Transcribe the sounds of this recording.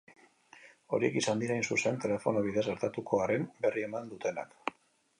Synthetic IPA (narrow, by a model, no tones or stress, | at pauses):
o̞ɾie̞̰kisand̪iɾainsuse̞nt̪e̞le̞fo̞noβiðezɣe̞ɾt̪at̪ukʰo̞aɾe̞mbe̞rie̞mand̪ut̪e̞na̰k